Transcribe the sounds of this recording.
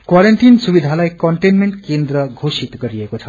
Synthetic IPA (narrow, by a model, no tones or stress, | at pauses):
kwaɾeɳʈinsubid̪ʱalajkɔɳʈenmeɳʈkẽnd̪ɾəɡʱosit̪kəɾiekot͡ʃʰɐ